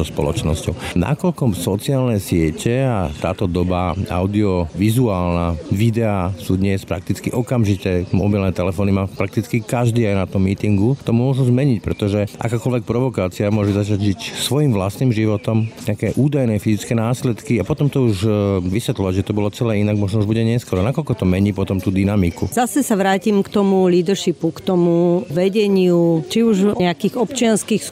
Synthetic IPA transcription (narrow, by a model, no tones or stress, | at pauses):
zɔspɔ̰lɔ̰t͡ʃnɔ̰scɔʊna̰kɔlkɔsɔt͡siaːlnɛsɪɛcʰɛat̪aːt̪ɔd̪ɔbaa̰ʊd̪iɔʋizuaːlnaʋid̪ɛasuːd̪ɲɛspɾak̚t̪it͡skiʔɔkamʒit̪ɛmɔbilnɛt̪ɛlɛfɔːnimaːpɾak̚t̪it͡skikaʒd̪iːajnat̪ɔmːiːt̪iŋɡut̪ɔmʊɔʒuzmɛɲicpɾɛt̪ɔʒɛʔa̰kaːkɔlʋɛk̚pɾɔʋɔkaːt͡siamʊɔʒɛzat͡ʃaɟʒicsʋɔjimʋla̰st̪niːmʒiʋɔt̪ɔmɲɛakɛːʔuːd̪ajnɛfizit͡skɛːnaːslɛt̪kiapɔt̪ɔmt̪ɔuʒʋisʋɛt̪lɔʋaɟʒɛt̪ɔbɔlɔt͡sɛlɛːinaɡmɔʒnɔuʒbuɟɛɲɛskɔɾɔnakɔlkɔt̪ɔmɛɲiːpɔt̪ɔmt̪uːd̪inamikuzasɛsaʋɾaːcimkt̪ɔmuliːd̪ɾʃipukt̪ɔmuʋɛɟɛɲɪut͡ʃiuʒɲɛakiːɣɔpt͡ʃɪanskiːx